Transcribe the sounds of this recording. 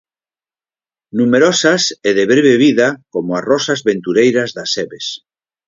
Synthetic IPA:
numeɾosaseðeβɾeβeβ̞iðakomoarɔsazβent̪uɾejɾazðaseβes

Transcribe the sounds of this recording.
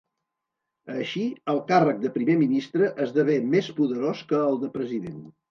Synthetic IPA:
əʃiəlˠkarək̚d̪əpɾimeminist̪ɾəʔəzðəβemespuðəɾoskəːlˠd̪əpɾəziðen

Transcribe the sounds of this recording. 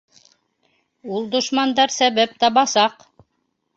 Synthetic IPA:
ulˠd̪ŏʃmɑnd̪ɑɾsæβæp̚t̪ɑβɑsɑq

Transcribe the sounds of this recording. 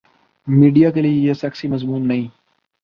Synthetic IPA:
miːɖijaːkeliejesɐːksimɐzmuːmnɐɦĩː

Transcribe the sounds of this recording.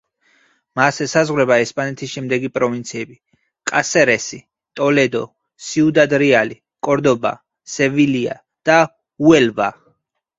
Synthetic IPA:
masɛsazʁwɾɛbaɛspʼanɛt̪ʰisʃɛmd̪ɛɡipʼɾɔvint̪sʰiɛbi | kʼasɛɾɛsi | t̪ʼɔlɛd̪ɔ | siud̪ad̪ɾiali | kʼɔɾd̪ɔba̰ | sɛvilia̰ | d̪̥a | uɛlva̰

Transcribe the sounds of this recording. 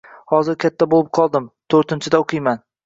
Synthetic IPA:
hɒzɪɾkʲʰat̪ʰːabolɪp̚qʰɒlˠd̪ɪmt̪ʰɵɾt̪ɪnt͡ʃʰɪd̪aoqʰɨjman

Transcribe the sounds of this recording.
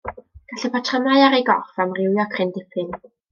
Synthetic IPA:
ɡ̥aɬɛpʰatʰrəmajaɾejɡɔfamrɪwjɔkʰrɪndɪpʰɨn

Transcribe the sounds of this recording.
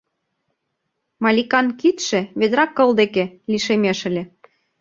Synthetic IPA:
mɑlʲikɑnkit̪ʃĕβed̪ɾɑkːɤ̆ld̪ekeliʃemeʃə̆lʲĕ

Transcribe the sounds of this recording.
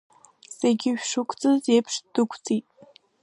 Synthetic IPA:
seɡʲɪɥᶣʂɨkʷʰʼt͡sʼɨzepʰʂd̥ɨkʷʰt͡sʼitʼ

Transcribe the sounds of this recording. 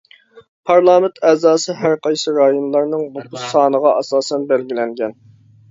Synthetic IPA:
pʰɑɾlˠɑːmɪnt̪ʰɛːzɑːsɨɦæɾqʰɑjsɨɾɑːjonlˠɑɾnɨŋbʊqʰʊʃsɑːnəʁɑʔɑsɑːsɛnbɛlɡʲilɛŋɡʲɛn

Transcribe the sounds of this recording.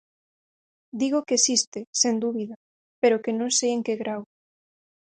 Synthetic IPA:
d̪iɣokeesist̪esend̪uβiða | peɾokenõŋsejeŋkeɣɾaw

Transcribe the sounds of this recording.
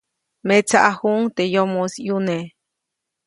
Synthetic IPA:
met͡saʔahuŋt̪ejomosjune

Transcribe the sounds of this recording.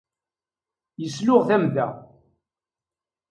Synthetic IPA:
jəslʊʁθæmdæ̰

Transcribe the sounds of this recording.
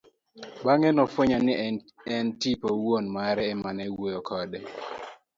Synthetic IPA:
ɓaŋɛnɔfoɲan | ɛntipowonmaɾɛːmanɛwojɔkʰɔdɛ

